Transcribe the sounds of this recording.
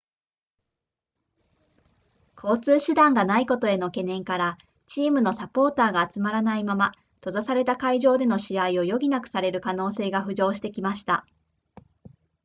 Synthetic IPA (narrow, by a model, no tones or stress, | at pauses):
kʰo̞ːt͡sɨːɕɨd̪ãŋɡanaiko̞t̪o̞e̞no̞ke̞nẽ̞ŋkaɾa | t͡ɕiːmɯ̟no̞sapo̞ːt̪aːɡaːt͡sɨmaɾanaimama | t̪o̞zasaɾe̞t̪akaiʑo̞ːd̪e̞no̞ɕiaio̞jo̞ɡʲinakɯ̟̥saɾe̞ɾɯ̟kano̞ːse̞ːɡaɸɯ̟ʑo̞ːɕ̬i̥t̪e̞kʲimaɕi̥t̪a